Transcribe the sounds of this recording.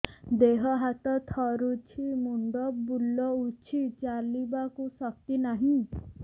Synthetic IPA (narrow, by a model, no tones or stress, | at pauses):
d̪eɦɔɦat̪ɔt̪ʰɔɾut͡ʃʰimuɳɖɔbulɔut͡ʃʰit͡ʃalibakusɔk̚t̪inaɦĩ